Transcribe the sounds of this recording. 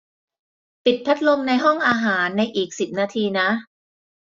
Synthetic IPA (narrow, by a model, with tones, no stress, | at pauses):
pi˨˩t̪̚pʰa˦˥t̪̚lo˧mna˧jɦɔ˥˩ŋʔaː˧ɦaː˩˦nːa˧jʔiː˨˩k̚si˨˩p̚naː˧t̪ʰiː˧na˦˥ʔ